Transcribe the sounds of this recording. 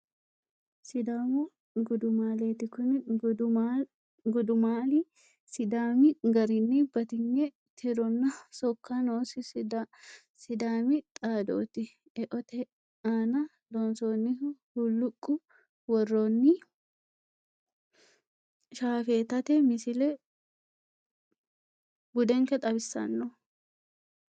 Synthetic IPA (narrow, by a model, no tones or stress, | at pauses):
sɪd̪aːmʊ | ɡʊd̪ʊmaːleːt̪ɪkʊn | ɡɔd̪ʊmaːlɪ | sɪd̪aːmɪɡɐɾɪnːibɐt̪ɪŋːɛ | t̪ʰɪɾɔnːɐsɔkʰːanoːsɪd | sɪd̪aːmɪt̪ʼaːd̪o̰ːt̪ɪ | ʔɛʔɔt̪ɛ | aːnɐ | d̪ɔnsoːnːɪhulːʊkʼːʊ | wɔrːonːɪ | ʃaːfeːt̪ɐt̪ɛmɪsɪlɛ | bʊd̪ɛŋkɛt̪ʼɐbɪsːɐ̰nːɔ